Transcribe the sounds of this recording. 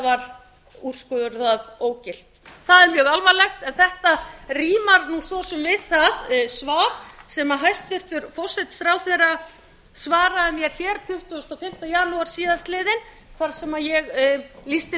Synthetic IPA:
vaɾ | ur̥skʏðʏɾθaðoːwcɪl̥t̪θaðɛɾmjœɣalvalɛxt̪ɛnθɛht̪ariːmaɾnusɔsɛmvɪðθaðsvaːɾsɛmaɦajst̪vɪr̥t̪ʏɾfɔ̥sɛt̪fɾawθɛra | svaːɾaðɪmjɛɾ̥çɛːɾt̪ʰʏht̪ʏst̪ɔfɪm̥t̪ajaːnuaɾ̥siːðanst̪lɪːðɪn | θaɾ̥sɛmajɛɣlist̪ɪ

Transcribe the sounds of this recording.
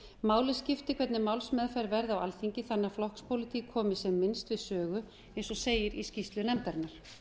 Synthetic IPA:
maːwlɪscɪft̪ɪkʰvɛt̪nɪmawlsmɛːðfajɾvɛɾðawa̰lθiɲcɪθanːaflɔhkspʰowlɪt̪ʰikʰːɔːmɪsɛmːɪnst̪vɪðsœːɣʏ | ejnsɔseːjɪɾiscist̪lʏnɛmt̪ɛɾnaɾ̥

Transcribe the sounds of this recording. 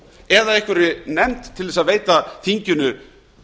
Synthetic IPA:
ɛðaɛhkvʏɾɪnɛmt̪ʰːɪlðɛsaðveːjt̪aθiɲcʏnʏ

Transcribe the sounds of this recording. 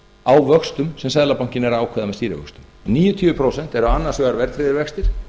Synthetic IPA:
awvœkst̪ʏmsɛmsɛðlapawɲ̥cɪnɛɾaːwkʰvɛːðamɛst̪iːɾɪ̰vœ̰kst̪ʏm | niːjʏt̪ʰʏːvʏpʰɾoːwsɛn̥t̪ɛɾaanːaɾ̥sɛːɣaɾvɛɾt̪ʰɾɪːðɪɾvɛkst̪ɪɾ̥

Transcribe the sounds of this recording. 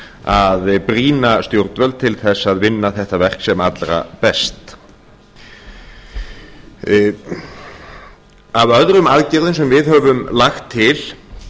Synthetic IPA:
aðpɾiːnast̪jowɾt̪vœlt̪t̪ʰɪlθɛsːaðvɪnːaθɛht̪avɛr̥ksɛmat̪lɾa̰pɛst̪ | avœðɾʏmaðcɛɾðɪnsɛmvɪðhœvʏmlaxt̪ʰːɪl̥

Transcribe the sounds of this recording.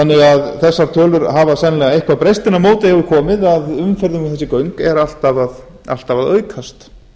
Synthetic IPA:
θanːɪɣaðθɛsːaɾ̥t̪ʰœːlʏɾhavasɛnlɛɣaejhkvaðpɾejst̪ɪnamoːwt̪ɪhɛvʏɾkʰɔːmɪðaðʏmfɛɾðʏmɪθɛsːɪkœɥŋkɛɾal̥t̪avað | a̰l̥t̪avaðœːɥkʰast̪

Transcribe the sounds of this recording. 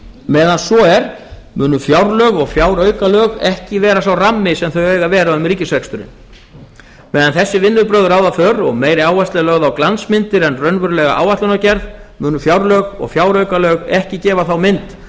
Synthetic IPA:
mɛːðansvɔɛɾ̥ | mʏːnʏfjawɾlœɣɔɣfjaːwɾœːɥkalœːɣɛhcɪvɛːɾasawramːɪsɛmθœɥeːjɣavɛːɾaʏmriːcɪsvɛkst̪ʏɾɪ̰n | mɛːðanθɛsːɪvɪnːʏpɾœːðʏɾaːwðaθœɾɔɣmeːjɾɪaːwvast̪lɪlœːɣðawklansmɪnt̪ɪɾɛnrœnvʏɾlɛːɣa̰ʔa̰ːwvaht̪lʏnacɛɾðmʏːnʏfjawɾlœɣɔ̰ɣfjaːwɾœɥkalœɣɛhcɪcɛːvaθawmɪnt̪

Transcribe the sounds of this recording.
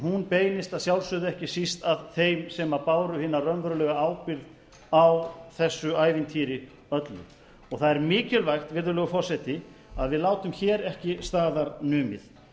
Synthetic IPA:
ɦunpeːjnɪst̪aðsjawlsœːðʏɛhcɪsist̪aðθejmsɛmapaːwɾʏhɪːnarœnvœɾlœːɣaaːwpɪɾð | awθɛsːʏaːjvɪnt̪ʰiːɾɪ | œt̪lʏ̰ | ɔɣθaðɛɾmɪːcɪlvajxt̪vɪɾðʏlœːɣʏfɔr̥sɛt̪ɪaðvɪðlaːwt̪ʏmçɛːɾɛhcɪst̪aːðaɾnʏːmɪ̰θ

